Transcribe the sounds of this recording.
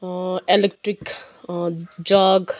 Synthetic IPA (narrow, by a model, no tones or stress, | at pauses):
elek̚ʈɾik | d͡ʒaːɡ